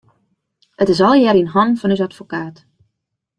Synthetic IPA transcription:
ətɪs̬ɔlˠjɛɾinɦɔnfɔnys̬atfokaːt

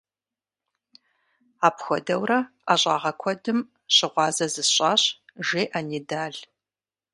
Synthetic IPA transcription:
aːpxʷɔdɐwrɐ | aɕʼɑ̰ːʁɐkʷʰɔdɨm | ɕɪʁʷɑːzɐzɨɕʼɑːɕʒeːʔaniːdaːɮ

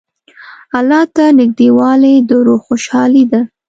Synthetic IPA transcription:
alɑt̪anɪɡ̚d̪ewɑled̪əɾoxoʃɑlid̪a

